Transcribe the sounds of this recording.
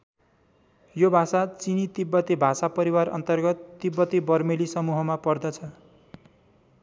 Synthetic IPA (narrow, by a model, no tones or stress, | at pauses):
jobʱasat͡sinit̪ibːʌt̪ibʱasapʌɾiwarʌ̰nt̪ʌrɡʌt̪ːibːʌt̪ibʌrmelisʌmuɦʌmapʌrd̪ʌt͡sʰʌ